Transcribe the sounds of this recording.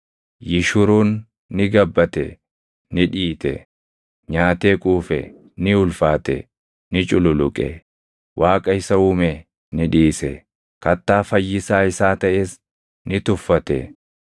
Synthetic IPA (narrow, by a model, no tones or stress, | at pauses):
jɪʃʊɾuːnː | ɪɡɐbːɐt̪ɛ̰ | nɪᶑiːt̪ɛ̰ | ɲaːt̪eːkʼuːfɛ̰ | nɪʊlfaːt̪ɛ̰ | nɪt͡ʃʼʊlʊlʊkʼɛ̰ | wʔaːkʼɐɪsɐuːmɛ | nɪᶑiːsɛ | kɐt̪ːaːfɐjːɪsaːɪsaːt̪ɐʔeːs | nɪt̪ʊfːɐt̪ɛ̰